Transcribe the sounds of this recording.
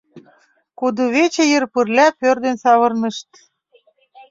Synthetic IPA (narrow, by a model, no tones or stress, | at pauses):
kud̪uβet͡ɕejərpərlʲæpørd̪ensɑβɤrnɤ̆ʃt̪